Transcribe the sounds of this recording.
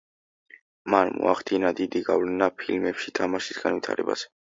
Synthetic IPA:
manmɔ̰aχd̪inad̪id̪iɡavlɛnapʰilmɛpʃit̪ʰamaʃisɡ̥anvit̪ʰa̰ɾɛ̰ba̰z̥ɛ

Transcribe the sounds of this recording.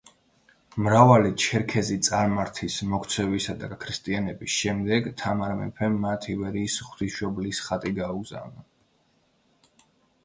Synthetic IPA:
mɾavalit͡ʃʰɛɾkʰɛzit̪sʼaɾmaɾt̪ʰismɔkʰt̪sʰɛvisad̪akʰɾist̪ʼianɛbisʃɛmd̪ɛɡt̪ʰamaɾmɛ̰pʰɛmːat̪ʰivɛɾiːsχw̥t̪ʰiʃɔblisχat̪ʼiɡauɡza̰vna

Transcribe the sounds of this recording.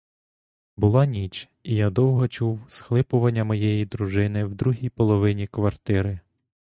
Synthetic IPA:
bʊlˠɑnʲit͡ʃ | ijad̪ɔwɦɔt͡ʃuwsxlˠɪpʊʋɐnʲːɐmɔjɛjid̪ɾuʒɪnɪwd̪ɾuɦʲijpɔlˠɔʋɪnʲikʋɐrt̪ɪɾɪ

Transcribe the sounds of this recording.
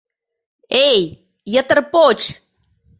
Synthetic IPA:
ej | jət̪əɾpoːt͡ʃ

